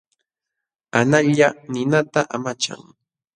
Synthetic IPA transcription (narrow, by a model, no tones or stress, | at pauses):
anaʎanɪnat̪aʔamat͡ʃa̰ŋ